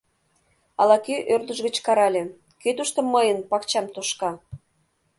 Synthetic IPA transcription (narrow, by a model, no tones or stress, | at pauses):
ɑlɑkyʔørd̪əʒɣə̆t͡ɕkɑɾɑlʲe | køt̪uʃt̪omːəjənpɑkt͡ɕɑmt̪uʃkɑ